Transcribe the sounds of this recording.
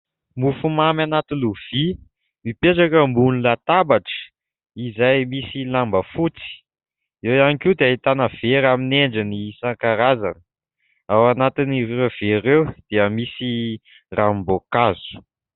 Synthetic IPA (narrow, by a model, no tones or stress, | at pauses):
mufumamanat̪iluv̥i | mipeʈ͡ʂakəmbunilat̪abaʈ͡ʂə̥ | izajmisilambəfut͡si̥ | ewjanikud̪eait̪anəv̥eɾamineɳɖ͡ʐinisaŋkaɾaza̰nə | awanat̪iniev̥eɾewd̪̥iəmisi | rambokazu̥